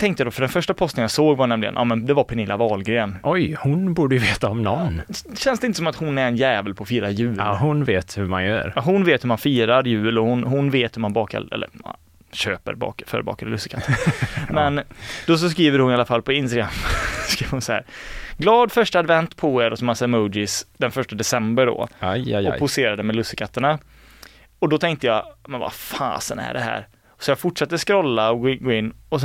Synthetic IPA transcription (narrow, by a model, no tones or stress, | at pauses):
t̪ʰɛŋkt̪əjad̪ɔːfəɖɛnfœʂʈapʰɔst̪ənjasoːɡvaɳɛmlɪɡə̰nʔɑ̰ːmɛnd̪ɛvaɾpʰɛnɪlːavɑːlɡɾeːnʔɔjhʊnbuːɖəjɵveːt̪aɔmnɔnːɕɛnsd̪ɛɪnəsɔmat̪hʊnːæɾɛnjɛːvəlpʰɔɔfiːɾajʉ̟ːhʊnveːt̪hʉma̰njœ̰ːɾɦʊnveːt̪hɵɾmanfiːɾaɾjʉ̟ːlɔhʊnɦʊnveːt̪hɵmanbɑːkʰa̰ɛ̰lːə̰ɾma̰n | ɕø̰ːpə̰ɾbɑ̰ːkfœ̰ːɾbɑ̰ːkad̪lɵsɪ̥kʰa | mmɛnd̪ɔs̬ɔs̬kɾiːvəɾhʊnɪalːafalːpʰɔɪnst̪aɡɾamːskɾiːvəɾhʊnsɔhæ̰ːɾɡlɑːd̪fœʂʈaːd̪vɛnt̪pʰɔeɾɔsɔmasamɔːd͡ʒɪsd̪̥ɛnfœʂʈad̪ɛsɛmbəɖɔ̰ɔpʰʊseːɾad̪əmɛlɵsːəkʰat̪ːəɳa | ɔd̪ɔt̪ʰɛŋkt̪əjaːmɛnva̰fɑ̰ːsənæ̰ɖɛ̰ɦæ̰ːɾ | sɔjɑːfʊʈʂat̪ːəskɾɔlːaɔɡɡoːɪnːɔs̬